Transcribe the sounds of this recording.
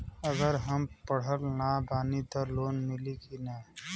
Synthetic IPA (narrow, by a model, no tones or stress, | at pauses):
əɡəɾɦəmpəɽ̤əlnabaːnit̪ɔloːnmɪlikina